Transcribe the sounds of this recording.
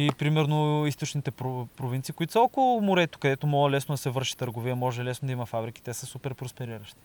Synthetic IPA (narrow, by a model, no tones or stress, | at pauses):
ipɾimɛɾnoist̪ot͡ʃnit̪ɛpɾopɾovint̪siːkoit̪osəɔlkomoɾɛt̪o̥kɐd̪ɛt̪omɔlˠɐlɛsnod̪ɐsɛvɤɾʃi̥t̪əɾɡovijəmɔʒɛlɛsnod̪ɐimɐfabɾik̟i̥t̪ɛsəsupɛɾpɾospɛɾiɾəʃt̪i̥